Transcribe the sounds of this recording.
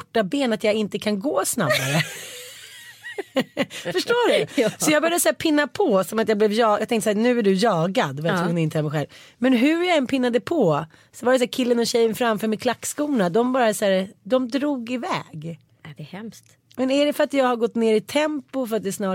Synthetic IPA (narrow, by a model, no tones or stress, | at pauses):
ʈːabeːnat̪jaɪnt̪əkʰanɡoːsnabːaɾə | fœʂʈoːɖɵsɔjɑɡbhjad̪əsæːɾpʰɪnːapʰɔsɔmat̪jaɡblɛvjɑːjat̪ɛŋt̪əsæːnʉ̟ːæɖɵjɑːɡad̪vajat̪ʰɾuːnɪnt̪əhɛlmɛɧɛ̰lv | mɛnɦɵjaɛnːpʰɪnːad̪əpʰɔ | sɔvaɾɛs̬æːɾkʰɪlːənɔɕɛjːənfɾamfœɾmɛkʰlakːskuːnad̪ɔmbɑːɾasæːɾd̪ɔmd̪ɾuːɡɪvɛːɡ | d̪ɛhɛmst̪ | mɛnæɖɛfœɾat̪jɑːɡhaɾɡɔt̪ːneːɾɪt̪ʰɛmpʊfœɾat̪̚d̪ɛsnɑː